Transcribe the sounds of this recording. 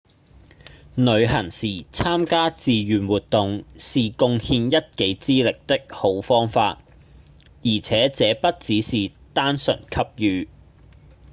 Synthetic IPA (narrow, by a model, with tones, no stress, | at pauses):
nɵ˨˧ɥɦɐ˨˩ŋsiː˨˩t͡sʰaː˥mkaː˥t͡siː˨jyː˨nwuː˨t̚t̪ʊ˨ŋsiː˨kʊ˧ŋhiː˧njɐ˥t̚ke˨˥jt͡siː˥lɪ˨k̚t̪ɪ˥k̚ho˨˥wfɔː˥ŋfa̰ː˧t̚ | jiː˨˩t͡sʰɛː˨˥t͡sɛː˨˧˥pɐ˥t̚t͡siː˨˥siː˨t̪aː˥nsɵ̰˨˩nkʰɐ˥p̚jyː˨˧